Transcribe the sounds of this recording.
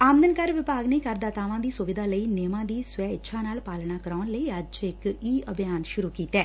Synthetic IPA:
aːmd̪ənkəɾʋɪpaːɡneːkəɾd̪aːt̪aːʋãːd̪iːsʊʋɪd̪aːləiːneːmãːd̪iːsʊɛːɪtːʃʰaːnaːlpaːlnaːkəɾaːʊnləiːəd͡ʒɪkiːəbʱijaːnʃʊɾuːkiːt̪ɛː

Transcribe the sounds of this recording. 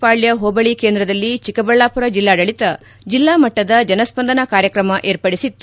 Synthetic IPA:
paːɭjɐɦoːbɐɭikeːnd̪ɾɐd̪ɐlːit͡ʃikɐbɐɭːaːpuɾɐd͡ʒilːaːɖɐɭit̪ɐ | d͡ʒilːaːmɐʈːɐd̪ɐd͡ʒɐnɐspɐnd̪ɐnɐkaːɾjɐkɾɐmɐʔeːɾpɐɽisit̪ːu

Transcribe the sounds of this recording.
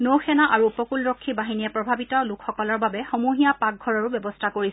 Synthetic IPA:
nowxɛnaʔaɹuːpɔkulɹɔkʰːibaɦinijɛpɹɔbʱabitɔlʊkʰxɔkɔlɔɹbabɛxomuɦijapak̚ɡʱɔɹɔɹubjɔbɔstʰakoɹisɛ

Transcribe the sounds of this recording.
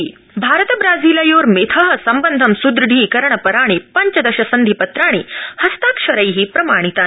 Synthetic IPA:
bʱaɾət̪əbɾad͡ziːlɐjoːɾmet̪ʰəɦə̆sɐmbənd̪ʱəmsud̪ɾɖʱiːkɐɾɳɐpɐɾaɽ̃epɐɲt͡ɕəd̪ɐɕɐsənd̪ʱipɐt̪ɾaɽ̃ehɐst̪akʂɐɾəjɦiːpɾɐmaɽ̃it̪a

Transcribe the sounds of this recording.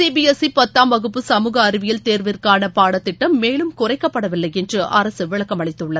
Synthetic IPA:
siːbiɛsipɐt̪ːaːmːɐɣɯpːɯsɐmuːɣɐːɾɪʋɪjɪlt̪eːɾʋɪrkaːnɐpaːɽɐt̪ːɪʈːɐmːeːlɯmkʊrɐɪkːɐpːɐɽɐʋɪlːɐɪɛndrɯʔɐɾɐsɯʋɪɭɐkːɐmɐɭɪt̪ːɯɭːɐð

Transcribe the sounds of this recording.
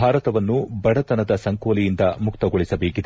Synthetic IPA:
aːɾɐt̪ɐʋɐnːubɐɽɐt̪ɐnɐd̪ɐsɐŋkoːlijind̪ɐmukt̪ɐɡoɭisɐbeːkid̪

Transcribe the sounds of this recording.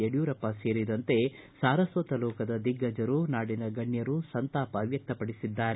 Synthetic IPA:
eɽjuːɾɐpːɐse̞ːɾid̪ɐnt̪e̞saːɾɐsʋɐt̪ɐlɔːkɐd̪ɐd̪iɡːɐd͡ʒɐɾunaːɽinɐɡɐɳjɐɾusɐnt̪aːpɐʋjɐk̚t̪ɐpɐɽisid̪ːaːɾe

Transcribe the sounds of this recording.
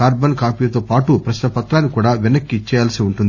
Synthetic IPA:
kaːɾbɐnkaːpiːlɐt̪oːpaːʈupɾɐʃnɐpɐt̪ɾaːnːikuːɽaːʋɛnɐkːiːt͡ʃːɛjaːlsiuɳʈund̪i

